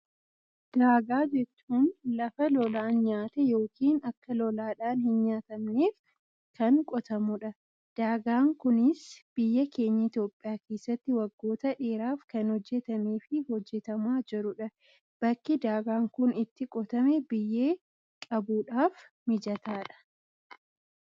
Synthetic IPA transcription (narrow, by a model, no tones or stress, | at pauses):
d̪̥aːɡaːd͡ʒɛt͡ʃːuːnlɐfɐlɔlaːnɲaːt̪ɛjo̞ːkiːnɐkːɐlɔlaːᶑaːnhɪnɲaːt̪ɐmneːf | kɐnkʼɔt̪ɐmʊᶑɐ | d̪̥aːɡaːŋkʊnɪsb̥ɪjːɐke̞ːɲːɐɪt̪jo̞ːpʼːɪjaːke̞ːsːɐt̪ːɪwɐɡːo̞ːt̪ɐᶑe̞ːɾaːfkɐnhɔd͡ʒːɛt̪ɐmeːfɪhɔd͡ʒːɛt̪ɐmaːd͡ʒɪɾʊᶑɐ | b̥ɐkːɪd̪aːɡaːŋkʊnɪt̪ːɪkʼɔt̪ɐmɛbɪjːe̞ː | kʼɐbuːᶑaːf | mɪd͡ʒɐt̪aːᶑɐ̥